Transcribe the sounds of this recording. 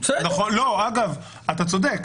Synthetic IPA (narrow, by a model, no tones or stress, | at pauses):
at̪aχoloaɡav | at̪at͡so̞d̪ek